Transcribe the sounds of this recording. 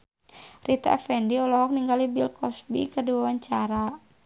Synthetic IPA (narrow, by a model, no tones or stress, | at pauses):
rit̪a̰fɛndiɔlɔɦɔk̚niŋɡalibilkɔsbḭkərdiwawaɲt͡ʃaɾa